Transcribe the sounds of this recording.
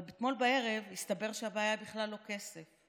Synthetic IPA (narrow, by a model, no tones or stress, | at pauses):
bet̪mo̞lbae̞ʁe̞vjist̪abe̞ʁʃeabaːjabiχlalːo̞ke̞sef